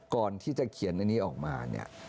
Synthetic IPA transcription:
kɔː˨˩nt̪ʰiː˥˩t͡ɕa˨˩kʰi˨˩˦nːaː˧˩niː˦˥ʔɔː˨˩k̚ma̰ː˧nḭ˥˩ɐ

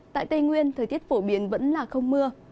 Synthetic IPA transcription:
t̪a̰ː˧˨jt̪ə˧jŋwi˧ənt̪ʰə˨˩jt̪i˦˥ət̚fo˧˩ɓi˨˦ənvə̰˧˥nlaː˨˩xə˧wŋ͡mmɨ˧ə

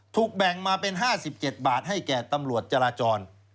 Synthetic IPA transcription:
t̪ʰuː˨˩k̚bɛ˨˩ŋmaː˧pe˧nɦaː˥˩si˨˩p̚t͡ɕe˨˩t̪̚baː˨˩t̪̚ɦa˥˩jkɛː˨˩t̪a˧mɾu˨˩ət̪̚t͡ɕa˧ɾaː˧t͡ɕɔː˧n

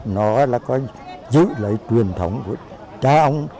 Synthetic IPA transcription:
nɔ˨˦laː˨˩kɔ˨˦ | zɨ̰˧˨lə˨˦jt͡ɕwi˨˩ənt̪ʰə˨˦wŋ͡mku˧˩ə | t͡ɕaː˧ʔə˧wŋ͡m

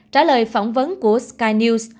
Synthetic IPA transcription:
t͡ɕaː˧˩ləː˨˩jfɔ˧˩wŋ͡mvə˨˦nku˧˩əskaː˧jni˧ws

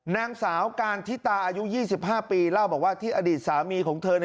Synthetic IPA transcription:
naː˧ŋsaː˩˦wkaː˧nt̪ʰi˦˥t̪aː˧ʔaː˧ju˦˥ʔjiː˥˩si˨˩p̚ɦaː˥˩piː˧laː˥˩wbɔː˨˩k̚waː˥˩t̪ʰiː˥˩ʔaː˧diː˨˩t̪̚saː˩˦miː˧kʰɔː˩˦ŋt̪ʰɤː˧n˧

